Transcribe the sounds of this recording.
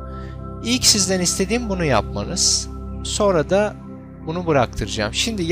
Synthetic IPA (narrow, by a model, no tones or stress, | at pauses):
ilʲcsizd̪ænist̪ʰe̞d̪iːmbunujap̚ma̰nɯz̥so̞nɾad̪a | bunubɯɾak̚t̪ʰɯɾɯd͡ʒa̰mʃimd̪ij